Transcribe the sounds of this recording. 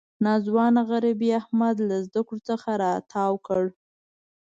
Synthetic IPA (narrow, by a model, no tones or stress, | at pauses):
nɑzwɑnaɣaɾabiahmad̪lazd̪akɽot͡səxaɾɑːt̪ʰɑwkəɽ